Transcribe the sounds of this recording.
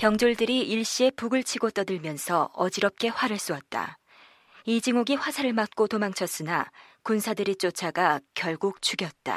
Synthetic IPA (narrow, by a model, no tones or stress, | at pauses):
pjʌŋd͡ʑoɭdɯɾiiɭɕ͈ie̞puɡɯɭt͡ɕʰiɡot͈ʌdɯɭmjʌnsʰʌʌd͡ʑiɾʌp̚k͈e̞ɸwaɾɯɭs͈uʌt̚t͈a̰ | id͡ʑiŋoɡiɸwasʰaɾɯɭmat̚k͈otomaŋt͡ɕʰʌs͈ɯnakunsʰadɯɾit͡ɕ͈ot͡ɕʰaɡakjʌɭɡuk̚t͡ɕʰuɡjʌt̚t͈a̰